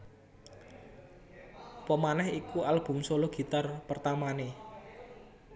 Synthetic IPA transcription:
pəmanɛhikualb̥ṳmsoloɡ̥i̤t̪arpərt̪amane

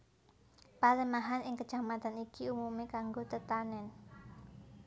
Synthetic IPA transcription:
paləmaɦanɪŋkə̥ʒ̥a̤mat̪anikiumumekaŋɡot̪ət̪anɛn

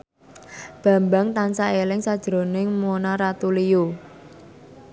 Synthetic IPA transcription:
b̥a̤mbaŋt̪ansaelɪŋsad̥ʒ̥ɾo̤nɪŋmonaɾat̪ulijo

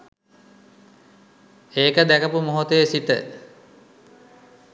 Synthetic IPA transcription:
eːkəd̪ækəpumoɦot̪əjesit̪ə

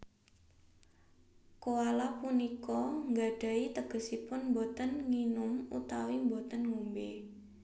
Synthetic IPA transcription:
kowalapunikɔŋɡaɖ̥a̤it̪əɡ̥ə̤sipʊnmbot̪ənŋinʊmṵt̪awimbot̪ənŋumbe

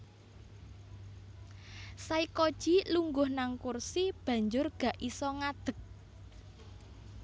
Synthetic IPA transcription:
saikod̥ʒ̥iluŋɡʊhnaŋkursib̥ä̤ɲd͡ʒʊrɡ̥ä̤ʔisɔŋad̪̥ə̤k̚

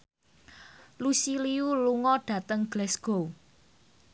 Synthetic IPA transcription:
lusiliuluŋɔɖ̥ä̤t̪əŋɡ̥lɛsɡ̥ow

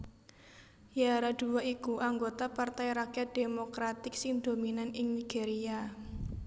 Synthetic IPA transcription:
jaɾad̪̥uwaʔikuʔaŋɡot̪apart̪ajɾakjad̪̥emokɾat̪ɪk̚sind̪ominanɪŋniɡ̥eɾia

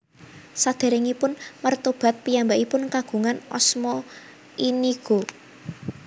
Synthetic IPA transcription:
sad̪̥e̤ɾɪŋipʊnmərt̪ob̥a̤t̪̚pijambaʔipʊnkaɡ̥ṳŋanɔ̰smɔ | iniɡ̥o̤

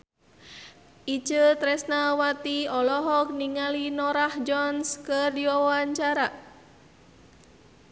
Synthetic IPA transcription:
ʔi̥d͡ʒət̪ɾɛsnawat̪iɔlɔɦɔk̚niŋalinɔɾahd͡ʒɔnskərdiwɔwɔaɲt͡ʃaɾa

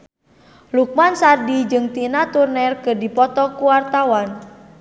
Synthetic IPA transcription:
luk̚mansardid͡ʒɨŋt̪inat̪urnɛrkɨrdipɔt̪ɔkuwart̪awan

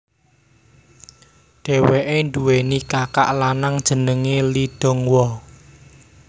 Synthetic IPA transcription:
ɖ̥ɛ̤weʔenduwenikaka̰ʔlanaŋd̥ʒ̥ə̤nəŋeliɖ̥o̤ŋwɔ

